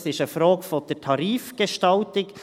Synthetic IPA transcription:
sɪʃəfɾoːɡfod̥ətʰɑɾiːfɡ̥eʃtɑltɪk

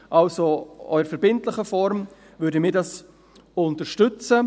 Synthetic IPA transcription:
ʔɑlsoœ̰ʏəɾfɛɾbɪntlɪχəfɔɾm | vʏːɾdəmɪːɾdɑs | ʊntəʃtʏt͡sə

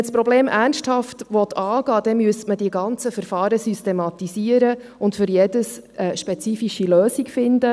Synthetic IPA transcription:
ɛspɾɔbleːmʔærnʃthɑftʋɔt̪ʰɑːɡ̥ɑːd̥ɛmyəstmədiəɡɑnt͡səfəɾfɑːɾəsystɛmɑt̪isiəɾə | ʊntfʏɾjɛd̥əs | ɛʃpɛt͡siːfiʃiløːsikfɪndə

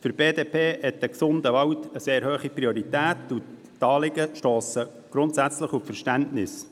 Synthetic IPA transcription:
fəɾb̥eːdeːpʰeːhɛt̚əksʊndəʋɑwtəseːɾhøːχipɾioɾit̪æːt̪u | tɑːlɪɡəʃtoːsə | ɡ̥ɾʊnt̪sæt͡sləχuffəɾʃtæntnɪs

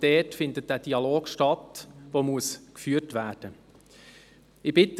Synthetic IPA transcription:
d̥ɛːtfɪndət̚d̥æːd̥iɑloːɡ̥ʃtɑtʋoːmuəskfyːətʋæːrd̥ə | ɪbɪt

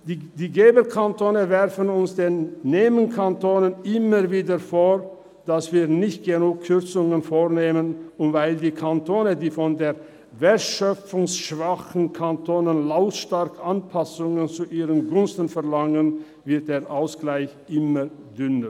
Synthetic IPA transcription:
ddiːɡeːbəkʰantʰoːnəvɛʁfənʊnsd̥eːnːeːmənkʰantoːnənʔɪməviːdəfoː | d̥asv̥iːɐnɪçt̚ɡ̥ənuːkʰːʏʁt͡sʊŋənfoːʁneːmənʊntvaɪldiːkʰantʰoːnədiːfɔndeːʁ | veɐtʃœp͡fʊŋsʃv̥aχn̩kʰantʰoːnənlaʊtʃtaʁkʔanpʰasʊŋənt͡suʔiːʁənɡʊnstn̩fɛɐlaŋən | vɪɐt̚d̥eːɐʔaʊsɡ̥laɪçʔɪmə | dʏnə

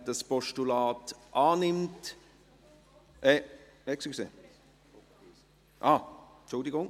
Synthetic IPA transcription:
dɑspɔʃtulaːtʔaːnɪmt | ʔɛ | ɛksiksḛː | ʔaː | t͡ʃʊldɪɡʊŋ

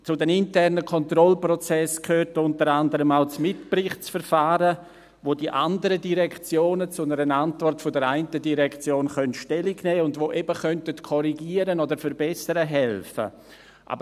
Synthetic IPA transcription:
t͡sʊdɛnintɛrnəkʰɔntrɾɔlprɔt͡sɛskʰøːrtʊntəɾandəɾəmaʊt͡smɪtprɪχt͡sfəɾfaːɾə | voːdiʔa̰ndəɾədiɾɛkʰt͡sjoːnət͡sʊnəɾənantvɔrtfʊdəɾaɪntədiɾɛkt͡sjoːnχœntʃtɛliɡnɛːʊndvoːʔɛbəχœntətkʰɔɾiɡiːəɾənodəɾfəɾbɛsəɾəɦɛlfə̰ | ʔa̰bə

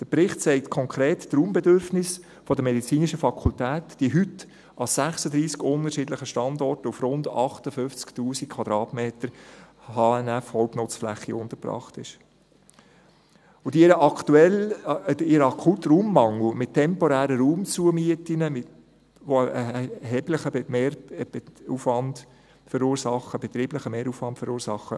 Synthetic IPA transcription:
d̥əpɾɪχtt͡sɛɪtkʰɔŋkʰɾeːtːruːmbɛdøɾfnɪs | fɔdəmɛdit͡siːnɪʃəfɑkʰultæːtd̥iəɦʏt | ʔɑsæχsəd̪ɾiːskʊnəɾʃɪdləχəʃtɑndɔrtufɾʊndɑχtəfʏft͡sktuːsikkʰw̥ɑd̥̪ɾɑːtmeːtəɾhɑːɛnɛfhɔlpnʊt͡sflæχːiʊntəɾpɾɑ̰ːχtɪ̰ʃ | ʊdiɪɾəʔɑktuɛl | ɪɾɑkʰutruːmːɑŋl̩mɪttʰːɛmpɔɾæːɾəɾuːmt͡suəmiətinəmɪ | ʋoəʔɛɦɛːbləχəmeːɾ | ufʋɑnd | fəɾuːɾsɑχːəb̥ɛt̪ɾiːbləχəmeːɾuːfʋɑntfəɾuːɾsɑχːə

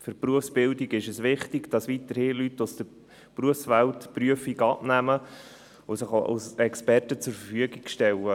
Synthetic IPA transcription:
fɵɾpruəfsb̥ɪldiɡɪʃəsʋɪχtiɡd̥ɑsʋitəɾhiːlytːʊsd̥ə | pruəfsʋæltpryəfiɡɑbnæmə | osəχoʔa̰sɛkspɛrtət͡sʊɾfəfyəɡikʃtɛlə

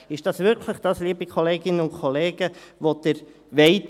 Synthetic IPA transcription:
ɪʃd̥ɑsʋɪɾkʰləχd̥ɑsliːbikʰoleːɡɪnənʊnkʰoleːɡ̥əʋod̥əɾ | ʋeɪt

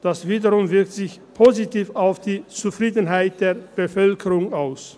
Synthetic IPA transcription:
d̥asv̥iːdɐʁʊmvɪɐk̚tz̥ɪçpʰozitʰiːfaʊfd̥iːt͡sufʁ̥iːdn̩ɦaɪt̚d̥eːɐb̥əfœlkʰəʁʊŋaʊs

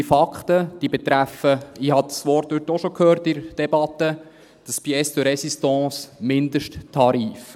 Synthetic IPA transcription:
ifɑkχt̪əd̪̥iːbɛt̪ɾæfəihɑd̪sʋɔɾ̚dʉtːɔʃɔkʰhøːɾtɪɾd̥ɛbɑt̪ːə | d̥ɑsb̥iɛsdɪɾɛsistɑ̃ːsmɪndəʃttʰɑɾiːf

